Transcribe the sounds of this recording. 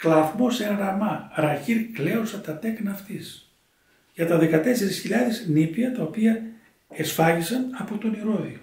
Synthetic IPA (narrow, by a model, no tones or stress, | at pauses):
klɐvmo̞seŋɾɐmɐɾɐçiɾkle̞osɐt̪ɐt̪e̞knɐːft̪is | ʝɐt̪ɐðe̞kɐt̪e̞se̞ɾisçiʎɐðesnipiɐt̪ɐopiɐ | esfɐʝisɐnɐpo̞t̪o̞niɾo̞ðio